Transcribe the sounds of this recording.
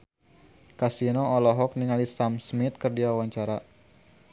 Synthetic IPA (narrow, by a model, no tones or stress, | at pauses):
kasinɔːlɔɦɔk̚niŋalisamsmit̪̚kɨrdiawaɲt͡ʃaɾa